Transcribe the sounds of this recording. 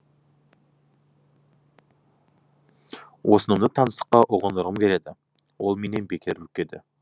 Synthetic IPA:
wo̞sənəmd̪ət̪ʰɑnəsə̥qːɑʔʊʁənəɾʁəmkʲʰe̞le̞d̪ɪ | wo̞lˠme̞ne̞nbekʲʰeɾukʲed̪ɪ̰

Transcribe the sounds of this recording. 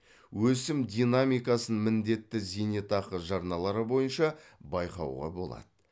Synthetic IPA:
wɵsɪmd̪ʲijnamijkɑsənmɪnd̪e̞t̪ːɪzenet̪ɑqəʒɑɾnɑlˠɑɾəbo̞jənʃɑbɑjqɑ̰wʁɑ̰bo̞̰lˠɑ̰d̪̥ə

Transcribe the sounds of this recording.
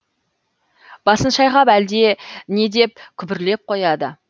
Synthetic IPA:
b̥ɑsənʃɑjʁɑpæld̪e̞ne̞d̪e̞p̚kʲʰʏbɪɾle̞p̚qʰo̞jɑd̪ə

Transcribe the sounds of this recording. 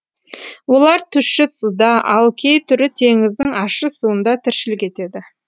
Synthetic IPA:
wo̞lˠɑɾt̪ʰʏʃɪsud̪ɑʔɑlˠkʲʰe̞jt̪ʰʏɾɪt̪ʰe̞ŋɪzd̪ɪŋɑʃəsuənd̪ɑt̪ʰɪɾʃɪlɪkʲe̞t̪e̞d̪ɪ

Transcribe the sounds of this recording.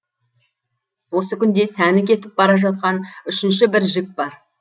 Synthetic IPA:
wo̞səkʲʰʏnd̪e̞sænɪkʲʰe̞t̪ɪp̚bɑɾɑʒɑt̪̚qɑnʏʃɪnʃ̬ɪbɪɾʒɪk̚bɑɾ

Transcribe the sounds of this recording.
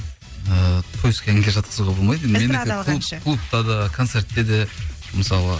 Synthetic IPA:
ət̪ʰɵzskʲʰæŋɡʲeʒɑt̪̚qʰə̥suʁɑbo̞lˠmɑjd̪enmenɪkʲɪkʰlˠupkʰlˠup̚t̪ɑd̪əkʰo̞nt̪se̞ɾt̪ːe̞d̪e | məsɑlˠə

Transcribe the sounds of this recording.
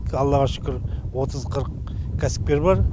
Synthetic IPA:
ɑlˠːɑʁɑʃʏ̥kʲɪɾwo̞t̪ʰəzqʰəɾəq | kʲʰæsɪ̥p̚pe̞ɾbɑɾ

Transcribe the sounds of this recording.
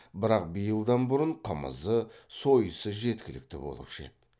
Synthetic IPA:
bɪɾɑq̚bijəlˠd̪ɑnbʊɾəɴqʰəmə̰zəso̞jəsəʒe̞t̪kʲɪlɪk̚t̪ɪ̰bo̞̰lˠə̰pʃḛt̪̚

